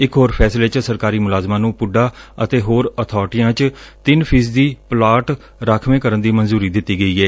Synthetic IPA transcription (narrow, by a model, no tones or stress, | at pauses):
ɪkɦoːɾpʰɛːsleːt͡ʃsəɾkaːɾiːmʊlaːzmãːnũːpʊɖaːət̪eːɦoːɾət̪ʰɔːɾʈɪjãːt͡ʃt̪ɪnpʰiːs̬d̪iːplaːʈ | ɾaːkʰmẽːkəɾənd̪iːmənzuːɾiːd̪ɪt̪ːiːɡəiːɡɛː